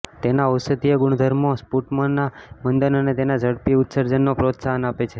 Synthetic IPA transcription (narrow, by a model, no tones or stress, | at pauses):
t̪enaəsət̪ijəɡuɳ̃d̪ʱəɾmospuʈmənːamənd̪ənənet̪enad͡ʒəɽpiʊt̪səɾd͡ʒənːopɾot̪saɦənapet͡ʃʰe